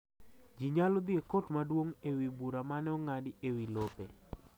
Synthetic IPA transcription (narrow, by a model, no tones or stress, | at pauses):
d͡ʒiɲalɔd̪ɪekotmadwoŋewibuɾamanɛɔŋadɪewilope